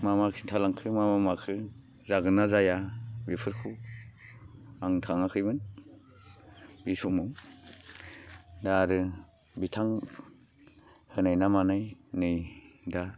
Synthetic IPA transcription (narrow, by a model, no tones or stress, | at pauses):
mamakʰintʰalaŋkʰɯmamamakʰɯ | zaɡɯnazajabipʰɯɾkʰu | aŋtʰaŋakʰɯjbɯn | bisumɔw | daɾɯ | bitʰaŋ | hɯnajnamanajnɯjda